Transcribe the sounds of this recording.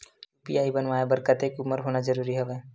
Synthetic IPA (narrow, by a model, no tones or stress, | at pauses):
pḭjaːibənʋaːjebəɾkət̪ekʊməɾɦoːnazəɾuːɾiɦɛʋeː